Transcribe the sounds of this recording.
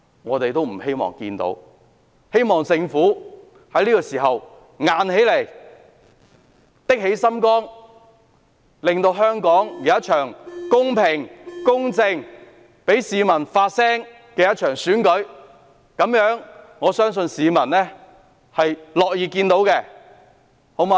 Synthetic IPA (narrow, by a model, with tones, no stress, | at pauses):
ŋɔː˨˧t̪e˨jt̪o˥wm̩˨˩he˥jmɔ̰ː˨˩ŋkḭː˧nt̪o̰˨˥w | he˥jmɔː˨˩ŋsɪ˧ŋfuː˨˥ | hɐ˨˥jliː˥kɔː˧siː˨˩ɦɐ˨w | ŋaː˨nhe˨˥jle˨˩j | t̪ɪ˥k̚he˨˥jsɐ˥mkɔː˥ŋ | lɪ˨ŋt̪o˧wɦœː˥ŋkɔː˨˥ŋjɐ˨˦ɐ˥t̚t͡ʃʰœː˨˩ŋkʊ˥ŋpʰɪ˨˩ŋkʊ˥ŋt͡sɪ˧ŋ | pe˨˥jsiː˨˧mɐ˨˩nfaː˧t̚sɛː˥ŋ | kɛː˧jɐ˥t̚t͡ʃʰœː˨˩ŋsyː˨˥nkɵ˨˥ɥ | kɐ˨˥mjœː˨˥ŋ | ŋɔː˨˧sœː˥ŋsɵ˧nsiː˨˧mɐ˨˩nlɛː˥ | hɐ˨jlɔː˨k̚jiː˨˧kiː˧nt̪o˨˥wkɛ˧ | ho˨˧˥wmaː˧